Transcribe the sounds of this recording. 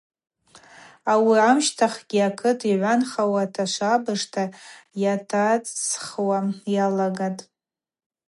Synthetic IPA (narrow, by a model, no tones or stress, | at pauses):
awiamʃtʰaχɡ̥ʲiakʰɨtʰiʕʷanχawatʰaʃʷabɨʂtʰajatʰat͡sχwajalaɡatʼ